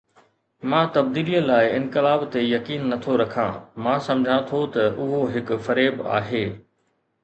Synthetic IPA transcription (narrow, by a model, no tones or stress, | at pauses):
mãːt̪ɐbd̪iːlijəlaːɪɪ̃nkɪlaːbt̪ejɐkiːnːɐt̪ʰoɾɐkʰã̰mãːsɐ̃md͡ʑʱãt̪ʰot̪ɐʔʊɦoɦɪkʊ̆fɐɾeːba̰ːɦeː